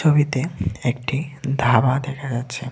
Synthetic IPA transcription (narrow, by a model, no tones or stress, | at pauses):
obit̪eekʈid̪ʱabad̪ɛkʰad͡ʑatːɕʰe